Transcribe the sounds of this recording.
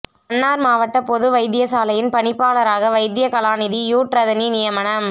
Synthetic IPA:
ɐnːaːɾmaːʋɐʈːɐpɔðɯʋɐɪd̪ɪjɐsaːlɐjɪnpɐɳɪpːaːlɐɾaːɣɐʋɐɪd̪ɪjɐkɐlaːnɪðijuːʈɾɐðɐninɪjɐmɐnɐm

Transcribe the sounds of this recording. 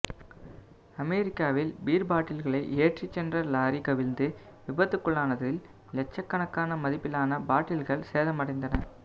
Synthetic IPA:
ɐmɛɾɪkːaːʋɪlbiːɾbaːʈːɪlɣɐɭɐɪʔeːʈrit͡ʃːɛndrɐlaːɾikɐʋɪlnd̪ɯ | ʋɪbɐt̪ːɯkːɯɭaːnɐðɪl | lɛt͡ʃːɐkːɐnɐkːaːnɐmɐðɪpːɪlaːnɐbaːʈːɪlɣɐɭseːðɐmɐɽɐɪnd̪ɐnɐ

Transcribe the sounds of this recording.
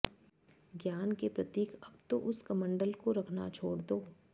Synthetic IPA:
ɡjaːnkepɾɐt̪iːkɐb̚t̪oʔʊskɐmə̃ɳɖəlkoɾɐkʰna̰t͡ʃʰoːɽd̪oː

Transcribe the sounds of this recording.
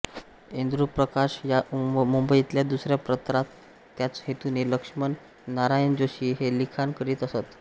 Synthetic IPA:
end̪ɾupɾəkaɕjamumbəit̪ljad̪usɾjapɾət̪ɾat̪ː | jat͡shet̪uneləkʂmənː | aɾajənd͡zoɕiːɦelikʰankəɾiːt̪əsət̪

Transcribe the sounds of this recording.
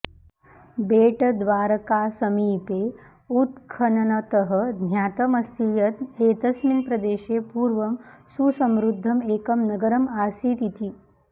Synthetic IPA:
beːʈɐd̪ʋaːɾɐkaːsɐmiːpeː | ut̪kʰɐnɐnɐt̪ɐɦɐd̪ʱnʲjaːt̪ɐmɐst̪ijɐt̪eːt̪ɐsminpɾɐd̪eːʃeːpuːɾʋɐmsusɐmɾud̪ʱːɐmeːkɐmnɐɡɐɾɐmaːsiːt̪it̪ʰi

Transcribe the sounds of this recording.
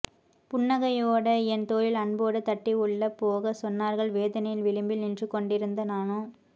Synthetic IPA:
pʊɳːɐɣɐjoːɽɐɛnt̪oːjɪlɐɳboːɽɯt̪ːɐʈːiʊɭːɐpːoːɣɐsɔnːaːɾɣɐɭʋeːðɐnɐjɪlʋɪɭɯmbɪlnɪndrɯkːɔɳɖɪɾɯnd̪ɐnaːno

